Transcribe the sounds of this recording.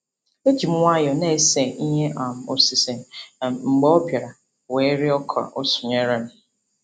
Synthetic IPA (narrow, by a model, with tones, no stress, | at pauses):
e˦d͡ʒi˨m̩˦ŋʷa˦jɔ˨ne˦˨se˨i˦ɲe˦ʔa˨m̩˨o˨si˨se˨n˨ŋ͡m̩˨ɡ͡bɔ˦o˦pja˨ɾa˨ | we˨˦ɾi˦ɔ˦kʰɔ̰˨ʔo˦sʊ˨ɲe˦ɾa˦˨nɪ˨